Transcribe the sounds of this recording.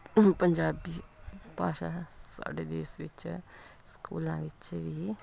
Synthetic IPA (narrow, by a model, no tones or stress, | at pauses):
pəɲd͡ʒaːbiːpaːʃaːsa̰ːɖeːd̪eːsʋɪt͡ʃ | skṵːlãːʋɪt͡ʃʋiː